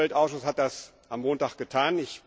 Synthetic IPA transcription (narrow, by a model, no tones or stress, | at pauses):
ɛltʔaʊsʃʊshat̚d̥as | ʔamoːntaːkɡ̥ətʰaːnɪç